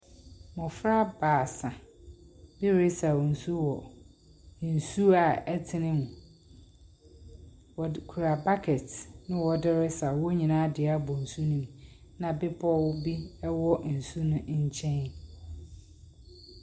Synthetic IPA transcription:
mɔ̃˨fɾa˦baː˨sã˨ | bɪ˦ɾɪ˦sa˨wɔ˨n̩˨su˦wɔ˨ | n̩˨su˦a˨ɛ˦tʰɪ˦nɪ̃˦mʊ̃˨ | wɔ˨kʰu˨ɾa˨ba˦kʰɛ˨tnɪ̃˦wɔ˨dɪ˦ɾɪ˦sa˨wɔ˦ɲĩ˨nãː˦dɪ˨a˦bɔ˨n̩˨su˦nũ˦m˨ | nã˨bɪ˦pʰɔ˦wbi˦ɛ˦wɔ˦n̩˨su˦nʊ̃˦ɲ̩˦t͡ɕʰɛ̃˦n

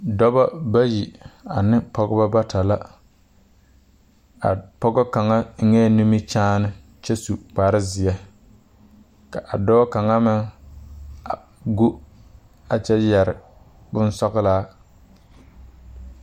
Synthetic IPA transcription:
dɔ˦ba˦ba˦ji˨a˨nɪ˦pɔ˦ɡɔ˦ba˦ba˦ta˨la˦ | a˨pɔ˦ɡɔ˦ka˨ŋa˦ŋɛ˦nu˦mi˦t͡ʃaː˦nɪ˦ | t͡ʃɛ˦su˨k͡paː˨ɾɪ˦zɪ˨jɛ˦ | ka˨ʔa˨dɔː˦ka˨ŋa˦mɪ˦ŋ | a˨ | ɡo˦ | a˨t͡ʃɛ˦jɛ˨ɾɪ˨ | bʊ˦nsɔ˦ɣɪ˦laː˦

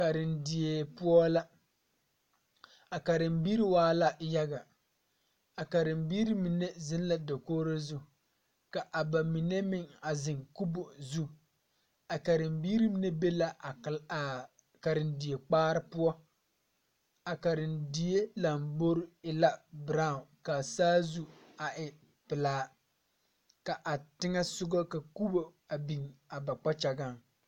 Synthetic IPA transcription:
ka˨ɾɪ˨ndi˨e˨pʊ˦ɔ˦la˦ | a˨ka˨ɾɪ˨mbiː˦ɾi˦waː˦la˦ja˦ɡa˨ | a˨ka˨ɾɪ˨mbiː˦ɾi˦mi˨ne˦zɪ˦n˦la˦do˨koː˦ɾo˦zʊ˦˨ | ka˨ʔa˨ba˨mi˨ne˦mɪ˦ŋa˨zɪ˨ŋku˦bo˨zu˦ | a˨ka˨ɾɪ˨mbiː˦ɾi˦mi˦ne˦be˦la˦˨ | ka˨ɾɪ˨ndi˨je˨k͡paː˦ɾɪ˦pʊ˦ɔ˦ | a˨ka˨ɾɪ˨ndi˨je˦la˨mbo˦ɾɪ˦ɪ˨la˦bɾa˦ʊ˨ka˨saː˦zu˦a˨ʔɪ˨ | pɪ˨laː˦ | ka˨ʔa˨tɪ˦ŋɛ˦sʊ˦ɡɔ˦ka˨ku˦bo˨a˨bi˨ŋa˨ba˨k͡pa˦t͡ʃa˨ɡa˦˨ŋ

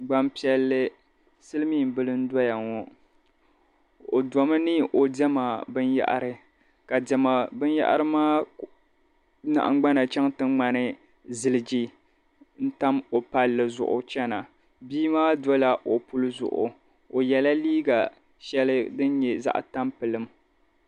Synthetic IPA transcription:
ɡ͡ba˦mpi˦ɛ˦lːɨ˦ | sɨ˦lɨ˦miː˦˨m˨bɨ˦lɨ˦n̩˦dɔ˦ja˨ŋɔ˨ | o˨dɔ˨mɨ˦nɨ˦ʔo˨dɛ˦ma˨bɨ˦nja̰˦ʔa̰˨ɾɨ˦ | ka˨dɛ˨ma˨bɨ˦nja̰˦ʔa̰˦ɾɨ˦maː˦ | na̰˨ʔŋ˦ɡ͡ba˦na˨t͡ʃɛ˦ŋtɨ˦ŋŋ͡ma˨nɨ˦ | zɨ˦lɨ˦˨d͡ʒi˦ | n̩˦ta˦mo˨pa˦lːɨ˨zʊ̰˨ʔʊ̰˨t͡ʃɛ˦na˨ | biː˦maː˦do˦la˨ʔo˨pu˦lɨ˦zʊ̰˨ʔʊ̰˨ | o˨jɛ˨la˦liː˦ɡa˨ | ʃɛ˦lɨ˦dɨ˦n˦ɲɛ˨za̰˦ʔta˦mpɨ˨lɨ˨m

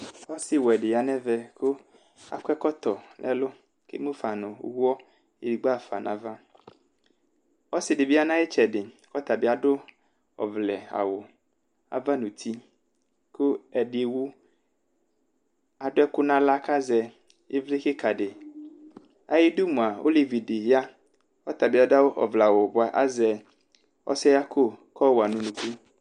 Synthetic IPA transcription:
ɔ˦sɪ˦wɔ˨ɛ˨ɖɪ˨ja˨nɛ̃˦vɛ˦kʊ˦ | a̰˨kʷɛ˦kɔ˦t̪ɔ˨nʔɛ̰˦lʊ˦ | kḛ˦mũ˦fa˨nʊ̰̃˨˦wu˦ɔ˦ | e˨di˨ɡ͡ba˦˨fa̰˨nʔã̰˨va˦ | ɔ˦sɪ˨dɪ˨bi˦a˦nã˦e˦t͡ʃɛ˨dɪ˨kɔ˦t̪a˨bɪ˦a˨ɖʊ˦ | ɔ̰˨vlɛ˨a̰˨wʊ˨ | a̰˨va˦nʊ̃˨t̪ʰi˦ | kʰʊ˦ɛ˨ɖɪ˨wu˦ | a˨dʊ˦ɛ˦kʊ˦nã˦la˦ka˦zɛ˨ | ɪ˦vlɪ˦xɪ˦kʰa˨ɖɪ˨ | a˨jɪ˦du˦mũ˨a˨o̰˦li˨vi˨dɪ˨ja˦ | kɔ˦t̪a˨bɪ˨˦a˨da˦wʊ˦ʔɔ̰˨vla˨wʊ˨bʊ˦a˨ʔa˦zɛ˨ | ɔ̰˦sɛ˦ja˦kʰʊ˦kʰɔ˦wa˨nʊ̃˨nũ˨ku˦

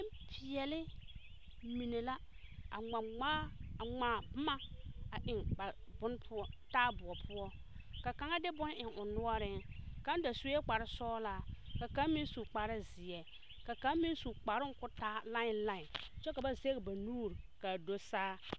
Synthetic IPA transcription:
ɪ̃˦pʰɪ˨ɛ˨lɪ˦ | mi˨ne˨la˦ | a˨ŋ͡ma˨ŋ͡maː˦a˨ŋ͡maː˨˦bʊ˦ma˦a˨ʔɪ˨ŋba˨bʊ˦n˦pʰʊ˦ɔ˦taː˦bʊ˨ɔ˨pʰʊ˦ɔ˦ | ka˨ka˨ŋa˦dɪ˦bʊ˦n˦ʔɪ˨ŋʊ˨nʊ˦ɔ˦ɾɪ˦ŋkã˦n˦da˨su˦ɛ˦k͡pa˨ɾɪ˦sɔː˦la˨ka˨kã˦m˦mi˦n˦su˨k͡pa˨ɾɪ˦zɪ˨ɛ˨ | ka˨kã˦m˦mi˦su˨k͡pa˨ɾɪ˦ŋkʊ˦taː˦la˦ɪ˨nla˦ɪ˨t͡ʃɛ˦ka˨ba˦ze˦ɣɪ˨ba˨nuː˦˨ɾ | ka˨do˦saː˦

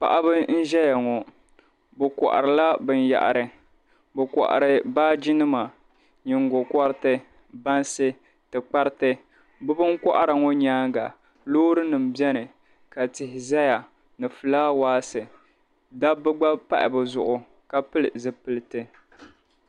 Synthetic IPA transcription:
pa̰˨ʔa˦bɨ˦n̩˦ʒɛ˦ja˨ŋɔ˨ | bʊ˨kɔ̰˨ʔa̰˨ɾɨ˨la˦bɨ˦n˦ja̰˨ʔa̰˨ɾɨ˨ | bɨ˨kɔ̰˨ʔa̰˨ɾɨ˨baː˦d͡ʒi˦nɨ˦ma˨ | ɲɪ˨ŋɡɔ˨kɔ˦ɾɨ˦tɨ˦ | ba˦nsɨ˦ | tɨ˨k͡pa˦ɾɨ˦tɨ˦ | bʊ˦bɨ˦ŋkʷɔ̰˦ʔa˦˨ɾa˨ŋɔ˦ɲaː˦ŋɡa˨ | loː˦ɾɨ˦nɨ˨m̩˨bɛ˦nɨ˨ | ka˨tɪ˨hɪ˨za˦ja˨ | nɨ˨fɨ˨laː˦waː˦sɨ˨ | da˦bɨ˦ɡ͡ba˦pa̰˦ʔɪ̰˨bɨ˨zʊ̰˨ʔʊ˨ | ka˨pɨ˦lzɨ˨pɨ˨lɨ˦tɨ˦

